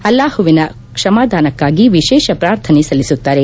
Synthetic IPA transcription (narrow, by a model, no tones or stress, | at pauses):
ɐlːaːhuʋinɐ | kʂɐmaːd̪ʱaːnɐkːaːɡiʋiʃɛːʃɐpɾaːɾt̪ʰɐnesɐlisut̪ːaːɾe